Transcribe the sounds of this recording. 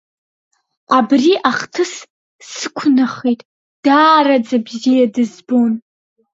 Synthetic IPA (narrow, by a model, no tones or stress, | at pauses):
abriʔaχtʰɨs | sɨkʷʰnaχejtʼ | d̥aːrad͡zabzijadɨzbo̞n